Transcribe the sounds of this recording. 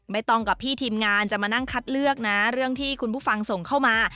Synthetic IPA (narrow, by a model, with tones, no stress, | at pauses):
ma˥˩jt̪ɔ˥˩ŋka˨˩p̚ʰːiː˥˩t̪ʰiː˧mŋaː˧nt͡ɕa˨˩maː˧na˥˩ŋkʰa˦˥t̪̚lɯ˥˩ək̚na˦˥ɾɯ˥˩əŋt̪ʰiː˥˩kʰu˧npʰuː˥˩fa˧ŋso˨˩ŋkʰa˥˩wmaː˧